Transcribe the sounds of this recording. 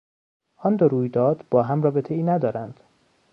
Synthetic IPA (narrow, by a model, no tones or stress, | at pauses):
ʔɒnd̪oɾuːjd̪ɒːd̪̥bɒːɦæmrɒːbet̪ʰe̞iːnæd̪ɒːɾænd̪̥